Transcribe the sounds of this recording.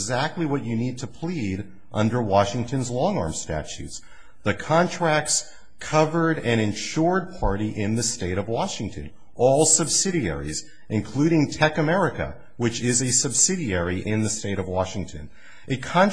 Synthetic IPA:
zæk̚tˡliwʌt͡ʃɨnid̚tʰɨpʰl̥iɾ | ʔʌ̃ndə˞wɑʃɪ̃ŋtʰɨ̃nzlɔ̃ŋɑ̰ɹmstæ̰t͡ʃʉ̰ts | ðɨkʰɑ̃ntʰɹ̥æk̚ts | kʰʌvə˞ɾɨ̃ñɨ̃nʃʊɹd̚pʰɑɹɾiʔɪ̃nðɨsteɪɾʌvwɑʃɪ̃ŋtʰɨ̰̃n | ʔɔlˠsʌbsɪɾiɛ̰ɹḭz | ɨ̃nkʰl̥ʉɾɪ̃ŋtʰɛkɨmɛɹɨkɨ̰ | wɨt͡ʃɪzɨsɨbsɪɾiɛɹiʔɪ̃nðɨsteɪɾʌvwɑʃɪ̃ŋtʰɨ̰̃n | ʔɨkʰɑ̃n

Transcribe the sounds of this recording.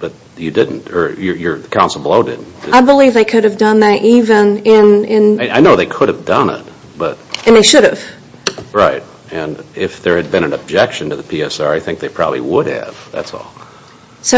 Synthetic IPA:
b̥ʌt͡ʃ | jɨdɪdⁿn̩tə˞jə˞jə˞kʰãʊ̃nsl̩ˠbloʊdɪ̰dⁿn̩d̥aɪbəlivðeɪkʰʊɾɨvdʌ̃nðɨɾʔivɨ̃nɪ̃nɪ̃nɨaɪnoʊðeɪkʰʊɾɨvdʌ̃nɪ̰t̚ | b̥ʌt̚ʔɨ̃nðeɪʃʊɾɨv̥ | ɹaɪt̚ | ɨ̃nɪfðə˞ɨd̚bɨ̃ɾ̃ɨ̃nɨb̚d͡ʒɛkʃɨ̃n̩tʰɨðɨpʰiɛsɑ̰ɹaɪθɪ̃ŋk̚ðeɪpʰɹ̥ɑ̰bə̰blḭwʊɾɨ̰v̥ðæ̰tsɔ̰lˠ | soʊ

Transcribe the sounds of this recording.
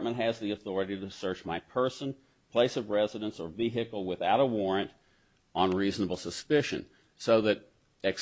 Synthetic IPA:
mə̃nt̚ɦɨzðiɨθɔɹɨɾiɾɨsɜ˞t͡ʃmaɪpʰɜ˞sɨ̃n | pʰl̥eɪsʌvɹɛzɨɾɨ̃nsə˞viɦɨkl̩ˠwɨθaʊɾəwɔɹɨ̃nt | n̩ɹiznəbl̩ˠsəspɪʃɨ̰̃n | soʊðɨɾ | ɨk

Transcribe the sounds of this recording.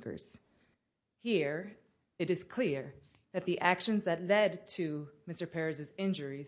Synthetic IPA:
kə̰˞z̥ | hiɹ | ɨɾɨz̥kʰl̥ɪɹ | ðɨt̪̚ðiʔækʃɨ̃nzðɨtˡlɛdtʰɨmɪstə˞pʰɛɹɨzɨzɪ̃nd͡ʒə˞iz

